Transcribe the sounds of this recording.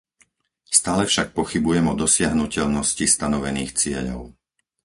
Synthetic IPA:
st̪aːlɛfʃak̚pɔxibujɛmɔd̪ɔsɪaɦnucɛʎnɔscist̪anɔʋɛniːxt͡sɪɛ̰ʎɔ̰ʊ

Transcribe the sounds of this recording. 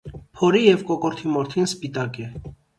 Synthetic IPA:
pʰɔɾijɛvkɔkɔɾt̪ʰimɔɾt̪ʰinspit̪ɑkɛ

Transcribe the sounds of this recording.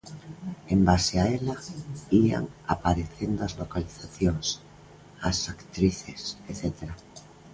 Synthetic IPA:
embaseaelaia̰ŋa̰paɾeθend̪oazlokaliθaθjoŋs | asakt̪ɾiθeseθet̪eɾa

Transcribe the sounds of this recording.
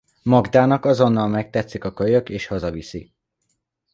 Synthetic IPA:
mɒɡd̪aːnɒkɒzo̞nːɒlmɛk̚t̪ɛt̪sikɒkøjøkeːʃhɒzɒvisḭ

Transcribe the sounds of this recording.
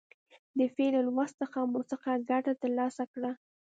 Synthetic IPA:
d̪əfenalwast̪əxamosəqaɡaʈat̪əɾlɑsakɽa

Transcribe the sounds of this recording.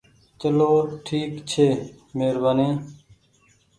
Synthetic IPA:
t͡ʃəloːʈʰiːkt͡ɕʰeː | meːɾbanẽː

